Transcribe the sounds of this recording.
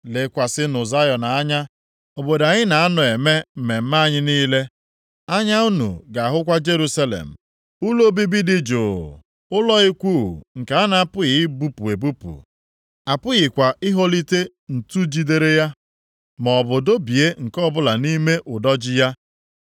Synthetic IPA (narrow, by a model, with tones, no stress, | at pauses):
le˨kʷa˨sɪ˦nʊ˨za˦jɔ˨na˨a˦ɲa˦ | o˨bo˨da˨ɲɪ˦na˨a˦nʊ˨e˨me˦m̩˨me˨m̩˦ma˦ɲɪ˦niː˦le˦ | a˦ɲa˦u˦nṵ˨ɡa˨a˨ɦʊ˦kʷa˦d͡ʒe˦ɾu˦sa˦lḛ˨m̩˨ | u˦lo˦bi˦bi˦dɪ˦d͡ʒoː˨ | ʊ˦lɔ˦i˦kʷu˦˨ŋ̩˨ka˨a˦na˦a˦pʊ˦ɣɪ˨˦bu˦pu˨e˨bu˦pṵ˨ | a˨pʊ˦ɣɪ˨kʷa˨ʔɪ˦ɦo˦li˦te˦ | n̩˨tu˦d͡ʒi˦de˨ɾe˦ja˦ | mɔ˨bʊ˨do˦bi˨e˦ŋ̩˨kɔ˦bʊ˦la˨ni˦me˦ʔʊ˨dɔ˦d͡ʒɪ˦ja˦